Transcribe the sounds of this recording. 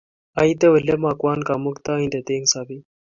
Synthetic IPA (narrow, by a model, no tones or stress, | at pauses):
ait̪eʋəlemakwaːnkamukt̪aĩnd̪et̪eːŋsaːbi